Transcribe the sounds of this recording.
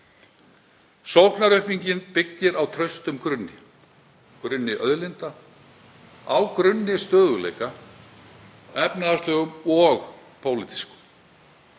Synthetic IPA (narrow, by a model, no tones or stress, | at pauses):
sowhknaɾœhpiɲcɪnpɪcːɪɾawt̪ʰɾœɥst̪ʏmkɾʏnːɪ̰ | kɾʏnːɪʔœðlɪnt̪a | awkɾʏnːɪst̪œːðʏlḛjka | ɛpnaðast̪lœːɣʏmɔɣpʰowlɪt̪i̥skʏ̥m